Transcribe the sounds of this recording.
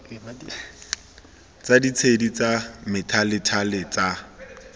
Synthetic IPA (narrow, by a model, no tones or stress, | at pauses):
t͡sadit͡sʰedit͡samɪtʰalɪtʰalɪt͡sa